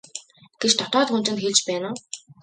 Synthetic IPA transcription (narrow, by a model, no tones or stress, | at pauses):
ɡ̥et͡ɕt̪ʰɔt̪ɔːt̪xun̥t͡ɕɪ̆nt̪xeɮt͡ɕpæːnʊː